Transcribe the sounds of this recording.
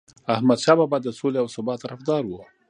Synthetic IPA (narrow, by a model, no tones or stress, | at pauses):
ahmad̪ʃɑbabɑd̪ːəsoleawsʊbɑt̪ːaɾafd̪ɑɾwu